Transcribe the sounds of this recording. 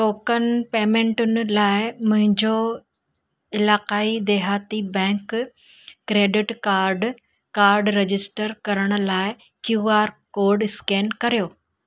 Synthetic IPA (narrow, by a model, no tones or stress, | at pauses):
ʈoːkənpeːmẽːɳʈʊnɪ̆laːɪmʊ̃ɦɪ̃ɲd͡ʑo | ɪlaːqaːid̪eːɦaːt̪ibɛ̃ːŋkː | ɾeːɖɪʈkaːɾɖ | kaːɾɖɾed͡ʑɪsʈəɾkɐɾəɽ̃ʊ̆laːɪ | kjuːaːɾkoːɾɖɪskeːnkɐɾijoː